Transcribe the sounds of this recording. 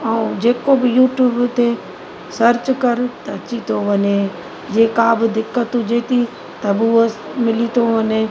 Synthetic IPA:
aũd͡ʒeːkobɪjuːʈjuːbt̪e | səɾt͡ʃkəɾt̪ɐt͡ʃit̪ʰoʋɐnẽ | d͡ʒeːkaːbd̪ɪkːət̪ũd͡ʒeːt̪i | t̪ɐbuomɪlit̪ʰoənẽ

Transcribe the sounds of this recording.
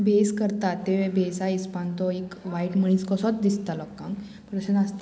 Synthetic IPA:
bʱeskəɾt̪at̪ːeʋebʱesaispãnt̪ɔekʋaiʈməɳ̃iːskɔsɔt͡sd̪ist̪alɔkːãŋk | pəɳt̪əsenast̪

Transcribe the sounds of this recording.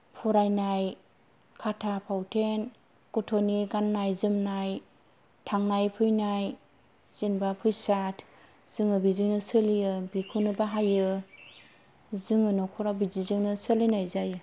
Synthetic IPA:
pʰuɾajnaj | kʰatʰapʰawtʰen | kotʰoniɡanːajzɯmnaj | tʰaŋnajpʰɯjnaj | z̥inbapʰɯjsatʰ | z̥ɯŋɯbiziŋnɯsɯlijɯbikʰɯnɯbaɦajɯ | zɯŋɯnɔkʰɔɾabizizɯŋnɯsɯlinajzajɯ

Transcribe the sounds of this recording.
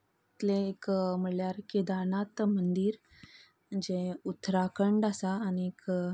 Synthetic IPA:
it̪leːkm̤əɽljaɾkid̪anat̪mənd̪iːɾ | d͡ʑeut̪ɾakəɳɖasaːniek

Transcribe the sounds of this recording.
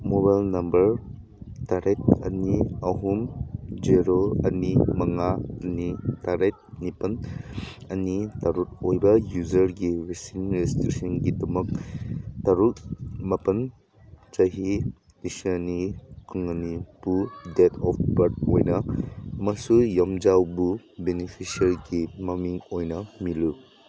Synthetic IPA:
mobajlnɐmbɐɾ | taɾet̚ɐ̰niɐɦumd͡ʒiɾoɐ̰nimɐŋaɐnitaɾet̚nipɐn | ɐnitaɾut̚ojbɐjuzɐɾɡiɾisinɾestɾisinɡidɐmɐk̚taɾut̚mɐpɐn | t͡ʃɐɦi | isnikuŋɐnib̥udetʰɔp̚ʰbɐɾt̚ojnɐɐmɐsujɐmd͡ʒawbu | benipʰisɐɾɡimɐmiŋojnɐmilu

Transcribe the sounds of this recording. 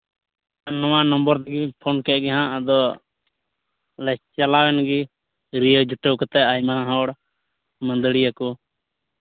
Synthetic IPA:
anɔwanəmbəɾt̪aɡipʰɔnkɛʔ̚ɡɛɦãʔad̪ɔ | lɛst͡ʃalawɛnɡi | ɾijəd͡ʒuʈəwkɔt̪ɛajmaãɦɔɽ | mənd̪əɽijakɔ

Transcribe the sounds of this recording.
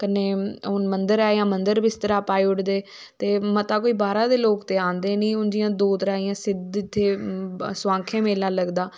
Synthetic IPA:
kənːeːʊnmənd̪əɾaːjãːmənd̪əɾbɪst̪əɾaːpaːeːʊʈd̪eː | t̪eːmət̪aːkoːiːbaːɾãːd̪eːloːkt̪eːãːnd̪eːnĩːʊnd͡ʒɪjãːd̪oːt̪ɾaːijãːsɪd̪ɪt̪ʰːeːsʋãːŋkʰẽːmeːlaːləɡd̪aː

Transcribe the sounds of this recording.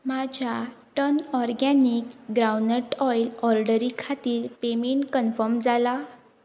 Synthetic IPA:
mad͡ʑʱaʈənɔɾɡanikɡɾawnəʈɔjlɔɾɖəɾikʰat̪iːɾpemeɳʈkənfəɾmd͡zala

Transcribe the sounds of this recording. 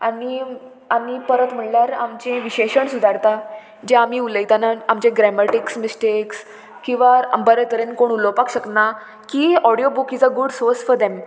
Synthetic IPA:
ani | amipəɾət̪m̤əɽljaɾamt͡ɕẽʋiɕeɕəɳsud̪ʱaɾt̪a | d͡ʑaamiuləjt̪anaamt͡ɕẽɡɾɛməʈiksmisʈeks | kĩw̃ʋabəɾət̪əɾẽnkoɳulɔpakɕəkna | kiɔɽijobukid͡zaɡuɖsoɾsfɔɾd̪em

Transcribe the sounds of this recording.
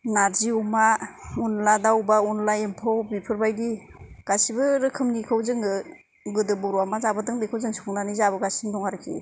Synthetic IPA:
naɾziumaunladawbaunlaempʰɔwbipʰɯɾbajdi | ɡ̥asibɯɾɯkʰɯmnikʰɯwzɯŋɯ | ɡɯdɯbɔɾuamazabɯdɯŋbikʰɯwzɯŋsi̥kʰɔŋdanizabɯɡasindɔŋaɾɯkʰḭ

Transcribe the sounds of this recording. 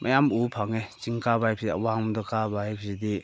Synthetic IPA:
mʔa̰jamupʰaŋet͡ʃiŋkabajpʰsia̰waŋmdɔkabajpʰsidi

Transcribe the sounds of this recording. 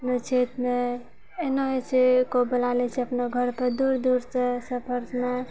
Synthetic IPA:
əpnot͡ʃʰet̪me | enoɦet͡ʃʰikobəlalɛt͡ʃʰiəpnoɡʱəɾpəɾd̪uɾd̪uɾt͡ʃɛsəpʰəɾsme

